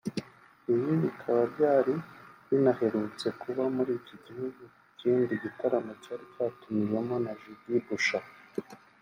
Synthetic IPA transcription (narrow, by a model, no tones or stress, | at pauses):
iβiβikʰaβaɾɟaːɾiβinahe̞ɾut͡se̞kʰuβamuɾiːccoɟihuɡu | ciːndiɟitaɾamo̞caːɾicaːtumiwemo̞naʒidibuʃa